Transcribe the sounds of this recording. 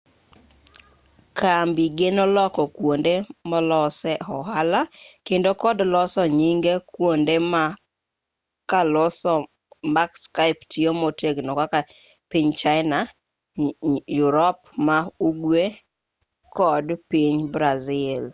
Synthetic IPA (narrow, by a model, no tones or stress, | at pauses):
kambiɡenɔlɔkɔkwondemɔlɔsɛhɔɦalakendokɔdlɔsɔɲiŋɡekwondema | kalɔsɔ | makskaɪptʰiomɔteɡnɔkaka | piɲt͡ʃaɪna | jʊɾɔp̚mauɡwe | kɔdpiɲbɾazɪl